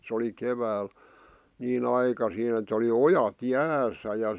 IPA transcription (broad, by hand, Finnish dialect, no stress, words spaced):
sĕ oli keʋæːl niːn ɑikɑsiːn et oli ojɑt jæːsˑæ jɑ